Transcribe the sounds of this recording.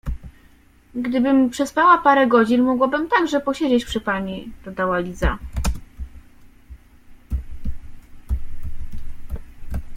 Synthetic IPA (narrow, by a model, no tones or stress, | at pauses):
ɡd̪ɘbɘmpʂɛspawapaɾɛɡɔd͡ʑinmɔɡwabɘmt̪aɡʐɛpɔɕed͡ʑet͡ɕpʂɘpaɲid̪̥ɔd̪awalʲiza̰